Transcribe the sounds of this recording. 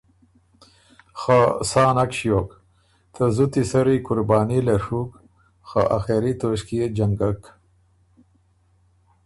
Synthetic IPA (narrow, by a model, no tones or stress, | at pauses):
xasɑːnakʃjok | t̪ʰəzut̪isɐɾikʊɾbɑːnilɐʂuk | xa̰ʔaxeɾit̪oʂkied͡ʒaŋɡak